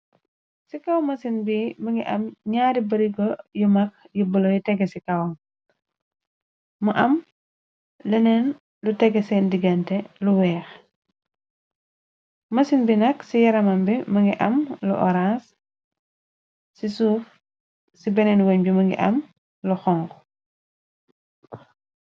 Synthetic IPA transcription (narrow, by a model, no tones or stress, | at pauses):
sikɐwmɐsinbimɐŋɡiʔɐmɲaːɾibɐɾiɡɔjumɐk̚ | jubulɔjutɛɡːɛsikɐwn | mɐʔɐm | lɐnɛn | lutɛɡːɛsɛndiɡɐntɛluwɛːx | mɐsinbinɐksijɐɾɐmɐmbimɐŋɡiʔɐmlṵʔɔ̰ɾãs | sisuːf | sibɛnɛnwɐɲbimɐŋɡḭʔɐ̰m | luxɔŋkɔ